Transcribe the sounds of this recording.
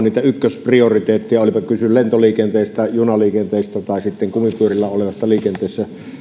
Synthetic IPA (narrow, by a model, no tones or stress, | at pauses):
nniːt̪æykːøspriorit̪eːt̪ːijɑolipɑkysyllent̪oliːkent̪eˑːst̪æjunɑliːkent̪eˑist̪æt̪ɑˑesit̪ːeŋkumipyørilːæoleʋɑsːɑliːkent̪eˑːsːæ